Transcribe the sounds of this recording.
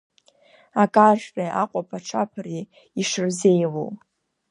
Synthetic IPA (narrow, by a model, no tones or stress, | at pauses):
akʼaʒrʼaʔaqʷʼapʰaʈ͡ʂʰapʰari | iʂɨrzejlo̰w